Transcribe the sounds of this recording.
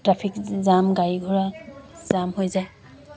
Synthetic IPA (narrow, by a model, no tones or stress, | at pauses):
tɹapʰikzamɡajɡʱuɹaz̥amɦojzaj